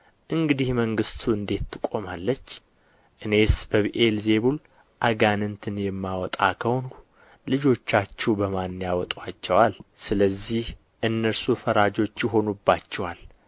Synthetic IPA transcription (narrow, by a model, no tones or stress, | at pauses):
ʔɨŋɡɨd̪ihməŋɡɨst̪ʰuɨnd̪e̞t̪ːɨkʼo̞malːət͡ʃː | ʔɨne̞sbəβʔe̞lze̞βul | ʔaɡanɨnt̪ʰɨnjɛmːawɔt̪ʼa̰kʰəwon | lɨd͡ʒo̞t͡ʃːat͡ʃːɛwbəmanːjawɔt̪ʼwat͡ʃːɛwalsɨləzːih | ʔɨnːəɾsufəɾad͡ʒo̞t͡ʃːjɪɦo̞nubːat͡ʃːɛwal